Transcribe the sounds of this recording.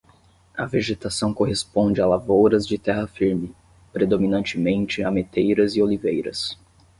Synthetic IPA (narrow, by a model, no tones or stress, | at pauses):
ɐveʒet̪asɐ̃w̃koɦespõnd͡ʒɪalavowɾɐzd͡ʒɪt̪ɛɦɐfiɾmɪ | pɾed̪ominɐ̃t͡ʃɪmẽnt͡ʃɪamet̪ejɾɐzɪolivejɾɐ̰s